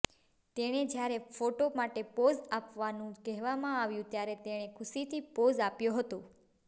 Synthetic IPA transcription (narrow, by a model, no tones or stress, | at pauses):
t̪eɽ̃ed͡ʒjaɾefoʈomaʈepod͡ʒapʋanũkɛɦʋamãaʋjũt̪jaɾet̪eɽ̃ekʰʊʃit̪ʰipod͡ʒapjoɦət̪o